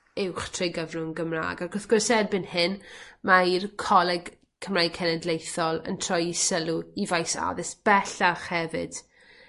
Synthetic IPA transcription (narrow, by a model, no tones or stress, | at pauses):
ɪwχtʰrɪjɡəvrʊnɡəmra̰ːɡaɡʊθɡ̥ʊrsɛdbɨnhɪnmairkʰɔlˠɛɡ | kʰəmrajkʰɛnɛdlejθɔlˠə̰ntʰr̥ɔjisəlˠuivajsa̰ðɪsb̥ɛɬaχhɛvɨ̰d̥